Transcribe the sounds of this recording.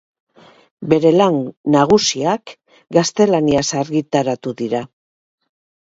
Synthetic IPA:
be̞ɾe̞laŋnaɣ̞usiak | ɡast̪e̞laniasaɾɣit̪aɾat̪uðiɾa

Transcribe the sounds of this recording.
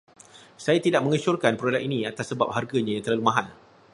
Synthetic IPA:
sajat̪idaʔ̚mə̃ŋət͡ʃʊrkanpɾolɛʔinĩat̪asːəba̰p̚harɡaɲãjaŋt̪ərlalumãɦan

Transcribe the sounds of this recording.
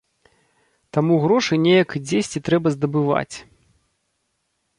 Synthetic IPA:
t̪amuɣɾɔʂɨjnʲejɐkd͡zʲesʲt͡sʲit̪ɾɛbɐzd̪ɐbɨva̰t͡sʲ

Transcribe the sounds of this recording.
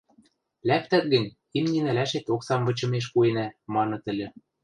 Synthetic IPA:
læp̚t̪æt̪̚ɡɘ̆nʲ | imnʲinælæʃet̪oksɑmvɤ̆t͡ɕɤ̆meʃ̬kuenæmɑnɤ̆t̪ɘ̆lʲɘ̆

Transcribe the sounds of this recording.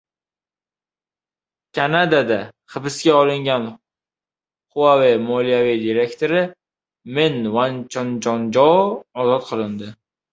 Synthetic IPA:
kʲʰanad̪ad̪aχɨbɪsɡʲaɒlˠɪŋɡʲan | χʊwavɪmɒlijavid̪iɾe̞kʲt̪ʰoɾɪ | me̞nvant͡ʃʰɒnd͡ʒɒnd͡ʒɒɒzɒt̪qʰɨlˠɪnd̪ɪ

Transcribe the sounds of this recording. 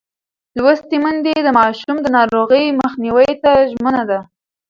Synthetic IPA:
lwast̪imənd̪ed̪əmɑʃumd̪ənɑɾoɣəjməxniwəjt̪aʒmənad̪a

